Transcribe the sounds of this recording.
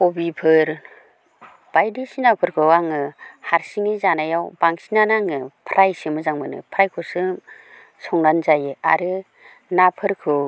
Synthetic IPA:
kɔbipʰɯɾ | b̥ajdisinapʰɯɾkʰɯwaŋɯhaɾsiŋɯzanajawbaŋsinanaŋɯpʰɾʔajsɯmɯzaŋmɯnɯ̰pʰɾajkʰɔsɯ | sʰɔŋnanzajɯa̰ɾɯ | napʰɯɾkʰɯ

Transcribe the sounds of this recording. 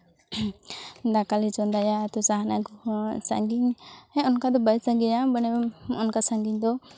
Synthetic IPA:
d̪akalit͡ʃɔnd̪ajaːt̪ɔsaɦanaɡɔsa̰ŋɡiŋhɛɔnkad̪ɔbajsaŋɡɛɲabanɛɔnkasaŋɡiɲd̪ɔ

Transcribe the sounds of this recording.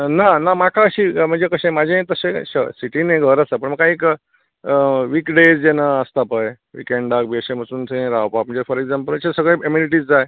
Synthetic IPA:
nanamakʰaəɕiːm̤əɳd͡zekəɕẽmad͡ʑʱẽt̪əsẽɕəsiʈinẽɡʱəɾəsəpəɳməɡkaiːk | ʋikɖed͡zd͡ʑenaəst̪apəj | ʋḭkeɳɖakbeɕẽm̤əsuːnsʰẽɾawpak̚m̤əɳd͡zefɔɾeɡzãmpəlməɕesəɡɭẽemjuniʈ̬iːd͡zd͡zae

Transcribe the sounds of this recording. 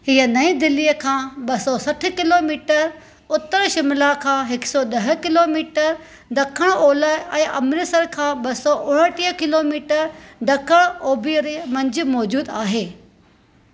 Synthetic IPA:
hiɦənɐĩd̪ɪlːiəkʰãːɓɐsɔsɐʈʰʊ̆kɪloːmiːʈəɾ | ʊt̪əɾʃɪmlakʰãːɦɪksɔɗɐɦ̆kɪloːmiːʈəɾ | ɖʱɐkʰəɽ̃oːləɛ̃ːʔɐmɾɪsəɾkʰãːɓɐsɔʔʊɽ̃əʈiəkɪloːmiːʈəɾɖ̪ʱɐkʰəɽ̃oːbijəɾemɐ̃ɲd͡ʑɪ̆mɔːd͡ʑuːd̪aːɦeː

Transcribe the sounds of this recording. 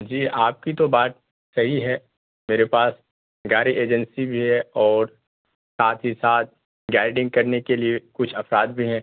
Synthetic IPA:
d͡ʒiːʔaːp̚kit̪obaːt̪̚ | sɐɦiɦɛː | meːɾepaːs | ɡaːɾiʔeːd͡ʒə̃nsibʱiɦɛɔːɾ | saːt̪ʰɦisaːt̪̚ | ɡaːɪɖɪ̃ŋɡ̚kɐɾnekeliekʊt͡ʃʰɐfɾaːd̪̚bʱiɦɛ̃ː

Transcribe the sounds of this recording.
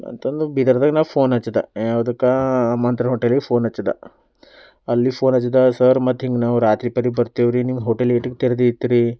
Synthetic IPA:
ɐ̰nt̪ɐnd̪ubʱid̪ɐɾd̪ɐknapʰoːnɐt͡ʃːɐd̪a̰aːʋd̪ɐkːamɐnt̪ɾɐɦoːʈelipʰoːnɐt͡ʃːɐd̪a̰ | ɐlːipʰoːnɐt͡ʃːid̪asɐɾmɐt̪ɦiŋɡnaʋɾaːt̪ɾipɐɾibɐɾt̪eʋɾinimɦoːʈeleʈukt̪eɾd̪iit̪ːiɾi

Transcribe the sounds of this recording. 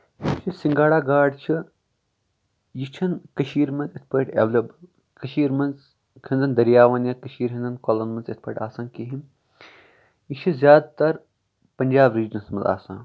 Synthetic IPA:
it͡ʃʰisiŋɡaːɽaːɡaːɖt͡ʃʰi | jit͡ʃʰɐnkɐʃiːɾmɐnzit̪ʰpɐʈḛʋlʲob | kɐʃiːɾmɐnz | kʰɐnd̪ɐnd̪ɐɾjaːʋɐnjɐkɐʃiːɾɦɐnd̪ɐnkolɐnmɐnzit̪̚ʰpʰɐʈaːsãːnkiɦim | jit͡ʃʰizʲjaːd̪t̪ɐɾ | pɐnʲd͡ʒaːbɾiːd͡ʒɐnsmɐnza̰ːsã̰ːn

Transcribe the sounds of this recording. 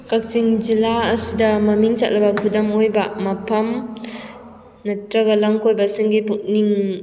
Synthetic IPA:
kak̚t͡ʃiŋd͡ʒilaːsidɐmɐmiŋt͡ʃʰa̰t̚lɐbɐkʰudɐmojbamɐpʰɐm | nɐtɾɐɡɐlaŋkojbɐsiŋɡipuk̚niŋ

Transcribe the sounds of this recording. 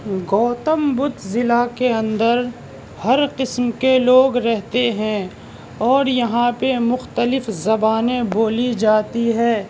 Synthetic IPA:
ɡɔːt̪əmbʊt̪zɪlakeɐ̃nd̪əɾ | hɐɾqɪsmkeloːɡɾɛɦt̪eɦɛ̃ | ɔːɾjɐɦãpemʊxt̪əlɪfzɐbaːnẽboːlid͡ʒaːt̪iɦɛː

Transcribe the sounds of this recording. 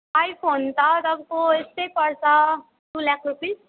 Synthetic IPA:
ajpʰont̪ʌt̪ʌbkoest̪ʌjpʌrsʰʌ | d̥ulakʰrupis

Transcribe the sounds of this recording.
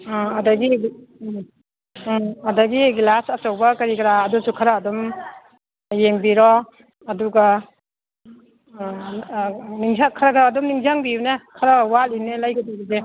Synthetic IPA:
adaɡi | adaɡiɡilasasawbakaɾikɾaːdusukʰaɾaːdɔm | jeŋbiɾɔː | duɡa | niŋzakʰaɾakaːdɔmniŋzaŋbiunekʰaɾawalinːelajɡadiɡide

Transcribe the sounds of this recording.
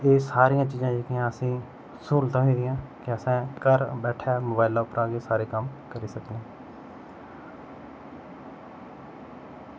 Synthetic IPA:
eːsaːɾijãːt͡ʃiːzãːd͡ʒeːkɪjãːəsĩː | suːlt̪ãːɦĩːd̪ɪjãːkɪəsɛ̃ːkəɾbɛːʈʰɛːmoːbaːɪlaːʊpəɾaːɡeːsaːɾeːkəmkəɾiːsəkd̪ẽː

